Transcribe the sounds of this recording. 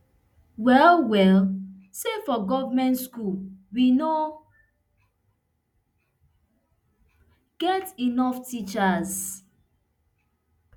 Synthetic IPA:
wɛlwɛl | sefɔɡɔvamɛ̃ntskulwino | ɡ̥ɛtinɔftit͡ʃaz

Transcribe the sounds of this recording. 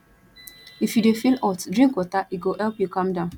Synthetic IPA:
ifjudefilɔtdɾĩŋkwɔtaʔiɡohɛlpjukãmdãʊ̃n

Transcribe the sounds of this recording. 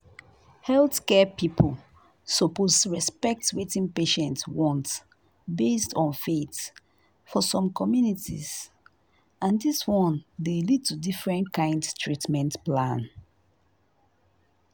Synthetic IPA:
hɛlθkɛpipʰol | sɔposɹɛspɛk̚twetĩnpeʃɛ̃ntwɔ̃nt | bestɔ̃nfet | fɔsɔ̃mkʰɔmjunitḭz | ãndiswɔ̃ndelid̚tudifɹɛ̃nkãɪ̃ndstʰɹitmɛ̃ntplãn

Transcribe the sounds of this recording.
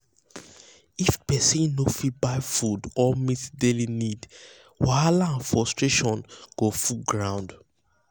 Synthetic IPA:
ifpɛsĩnofit̚baɪfudɔmitdelinid | waalaãnfɔstɹeʃɔ̃nɡ̥ofuɡɹãʊ̃nd

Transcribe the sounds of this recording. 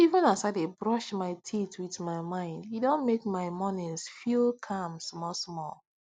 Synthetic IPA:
ivə̃nasaɪdebɹɔʃmaɪtʰitwiθmaɪmãɪ̃ndjidõnmekmaɪmɔnĩnsfilˠkʰãmsmɔsmɔ̰lˠ

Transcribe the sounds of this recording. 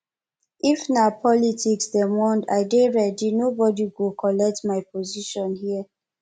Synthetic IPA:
ʔifnapʰɔlitʰiksdɛmwɔ̃nda̰ɪdeɹɛdinobɔdiɡukʰɔlɛk̚tmajpʰɔziʃɔ̃nhiə

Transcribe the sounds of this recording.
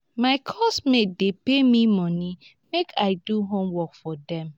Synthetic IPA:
maɪkʰɔsmedepemimɔ̃ni | mekʰaɪduɦõmwɔkfɔdɛ̃m

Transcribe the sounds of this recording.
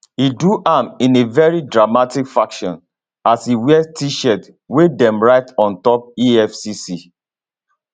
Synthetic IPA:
iduʔãmĩnevɛɹidɹamatikfakʃɔ̰̃n | asiwɛstiʃɛt | wedɛ̃mɹaɪtɔ̃ntɔp̚iɛfsisi

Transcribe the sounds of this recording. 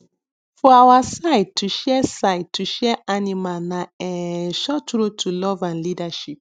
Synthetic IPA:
fɔawasaɪtːuʃɛsaɪtːuʃɛanimanãɛʃɔtɾotʰulɔvãnlidaʃip̚

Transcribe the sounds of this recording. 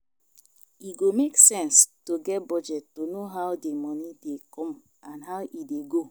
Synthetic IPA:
iɡomeksɛ̃nstoɡɛt̚bɔd͡ʒɛtːonoɦaʊdemɔnidekʰɔ̃m | ãnɦaʊʔideɡo

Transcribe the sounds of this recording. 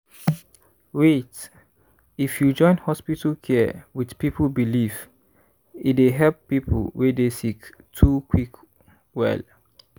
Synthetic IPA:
wet | ifjud͡ʒɔ̃ɪ̃nhɔspitəlkʰɛwidpiplbilif | ideɦɛlppːipʰə̰lwedesik | tʰukʰwik | wɛ̰l

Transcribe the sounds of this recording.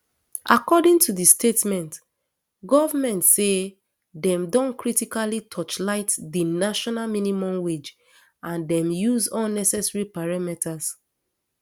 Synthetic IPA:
ʔakɔdĩŋtʰudistʰetmɛ̃nt | ɡɔvamɛ̃ntse | dɛ̃mdɔ̃nkɹitikalitʰɔt͡ʃlaɪtdinaʃɔnalminimɔ̃mwed͡ʒ | ãndɛ̃mjuzɔ̃nnɛsɛsɹipaɹamɛtʰas

